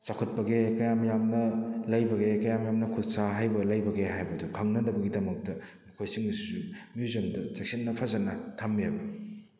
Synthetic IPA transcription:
t͡ʃakʰɐt̚pɐɡekɐjamɐjamnɐlɐjbɐɡekɐjamɐjamnɐkʰutsaɦajbɐlɐjbɐɡeɦajbɐdukʰɐŋnɐnɐbɐɡidɐmɐk̚tɐmɐkʰojsiŋsumijuzɐmdɐt͡ʃek̚sit̚nɐpʰɐzanɐtʰɐmːiɐbɐ

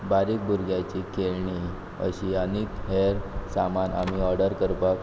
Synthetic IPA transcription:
baɾiːk̚bʱuɾɡjat͡ɕikʰelɳi | ə̰ɕiənekɦeɾsamana̰miɔɾɖəɾkəɾpak

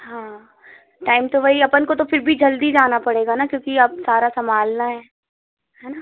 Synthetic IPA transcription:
ɦãː | ʈaːɪmt̪oʋɐɦiɐpənkot̪ofɪɾbʱid͡ʒɐld̪id͡ʒaːnapɐɽeːɡanakjõːkiɐb̚saːɾasɐmʱaːlnaɦɛː | ɦɛːna

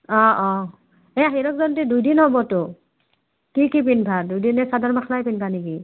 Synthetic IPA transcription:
ɔ̃ɔ | ɛaɦiɾɔkzɔntɛdujdinhɔbɔtʊ | kikip̬inbʰʱadujdinɛsadʱaɹmakʰlajpinbʰaniki

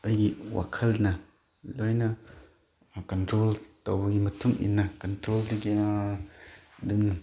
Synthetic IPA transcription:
ɐjɡiwa̰kʰɐlnɐ | lɔjnɐ | kɔntɾoltɔwɡimɐtʰuŋḭnːɐkɐntɾoldiɡia | dumn

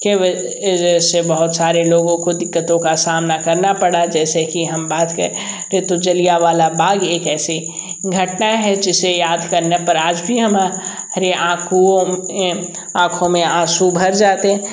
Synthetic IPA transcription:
keʋɐ | d͡ʒɛsebɐɦʊt̪saːɾeloːɡõkod̪ɪkːət̪õkasaːmnakɐɾnapɐɽad͡ʒɛːsekiɦɐmbaːt̪kəɾe | ɾet̪od͡ʒɐlijaʋaːlabaːɡeːkɛːsi | ɡʱɐʈnaɦɛd͡ʒɪsejaːd̪ʱkɐɾnepɐɾaːd͡ʒbʱiɦɐma | ɐɾeʔãːkʰuẽ | ãːkʰõmẽaːsubʱɐɾd͡ʒaːt̪eɦɛ̃

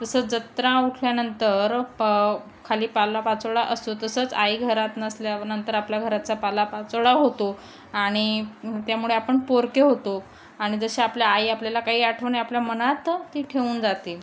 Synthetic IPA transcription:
d͡zəsəːt͡sd͡zət̪ɾãuʈʰljanənt̪əɾ | kʰaliːpalapat͡səɭaʔəst̪ot̪əsəːt͡sajɡʱəɾat̪nəsljanənt̪əɾapljaɡʱəɾat͡sapalapat͡sɭaɦot̪o | aɽ̃it̪jamuɭeapəɳpoɾkeɦot̪o | aɽ̃id͡zəɕeapljaːjapljalakaɦiːaʈʰənajapljamənat̪ːiːʈʰeuːnd͡zat̪i

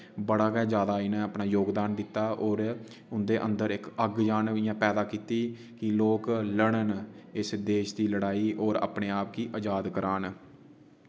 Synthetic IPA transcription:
bəɽaːkɛːd͡ʒjaːd̪aːɪnẽːəpnaːjoːɡd̪aːnd̪ɪt̪ːaːʔɔːɾ | ʊnd̪eːʔə̰nd̪əɾɪkəɡd͡ʒaːnʋiːãːpɛːd̪aːkiːt̪iː | kɪloːkləɽənɪsd̪eːʃd̪iːləɽaːiːʔɔːɾa̰ːpɳeːaːp̚kiːʔəd͡ʒaːd̪kəɾaːn

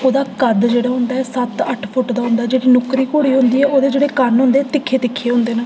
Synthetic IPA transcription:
oːd̪aːkəd̪d͡ʒeːɽaːɦʊnd̪aːɛːsət̪əʈʰpʰʊʈd̪aːɦʊ̃nd̪aːd͡ʒeːɽiːnʊkɾiːkoːɽiːɦʊ̃nd̪iːɛːoːd̪eːd͡ʒeːɽeːkəɾnɦʊ̃nd̪eːɛːt̪ɪkʰːeːt̪ɪkʰːeːɦʊ̃nd̪eːnaː

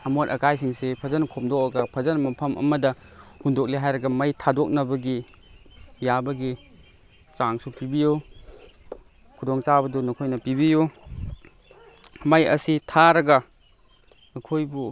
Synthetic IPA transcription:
ɐmotɐkʰajs̬iŋsepʰɐzɐnkʰɔmdɔk̚ɐɡɐpʰɐzɐnmɐpʰɐmʔɐ̰mɐdɐ | hundɔk̚liɦajɾɐɡɐmɐjtʰadɔk̚nɐbɐɡi | jabɐɡi | t͡ʃaŋsupibiju | kʰudɔŋt͡ʃabɐdunɔkʰojnɐpibiju | mɐjɐ̰sitʰaɾɐɡɐ | kʰojbu

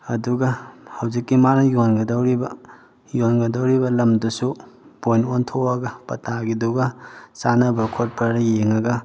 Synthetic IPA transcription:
ɐduɡɐhɐwzikːimanɐjonɡɐdɐwɾibɐ | jonɡɐdɐwɾibɐlɐmdusubojnontʰoɐɡɐpɐtaɡiduɡɐsanɐbɐkʰot̚pɐɾɐjeŋɐɡɐ

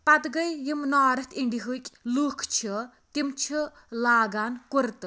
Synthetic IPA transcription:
pɐt̪ɡɐjjimnaːɾɐt̪ʰiɳɖiɦukʲʼluːkʰt͡ʃʰi | t̪imt͡ʃʰi | laːɡaːnkuɾt̪

